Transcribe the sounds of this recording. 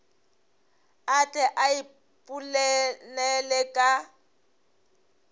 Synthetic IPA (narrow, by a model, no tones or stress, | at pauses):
at͡ɬʼɛʔai | pʼulɛnɛlɛkʼa